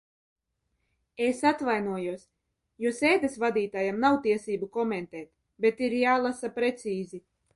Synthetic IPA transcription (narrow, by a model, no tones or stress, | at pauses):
esat̪vajnuɔjuɔs | juɔseːd̪esvad̪iːt̪aːjamnawt̪iɛsiːbukɔment̪ɛːt̪ | bet̪iɾjaːlˠasapɾet̪siːzi